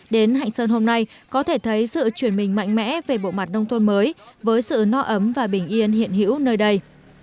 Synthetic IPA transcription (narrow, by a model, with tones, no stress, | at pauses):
ɗe˨˦nɦa̰˧˨jŋ̟səː˧nɦo˧mna˧j | kɔ˨˦t̪ʰe˧˩t̪ʰə˨˦jsɨ̰˧˨t͡ɕwi˧˩ənmï˨˩ŋ̟ma̰˧˨jŋ̟mɛ̰˧˥ve˨˩ɓo̰˧˨ma˨˩t̚nə˧wŋ͡mt̪ʰo˧nməː˨˦jvəː˨˦jsɨ̰˧˨nɔ˧ʔə˨˦mvaː˨˩ɓï˧˩ŋ̟ʔi˧ənhḭ˧˨ənɦḭ˧˥əwnəː˧jɗə˧j